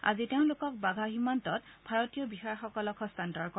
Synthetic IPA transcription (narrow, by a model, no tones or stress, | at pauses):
a̰ziteʊ̃lokɔk̚baɡʱaximantɔt̚bʱaɹɔtijɔbixaɹxɔkɔlɔkʰɔstantɔɹkɔ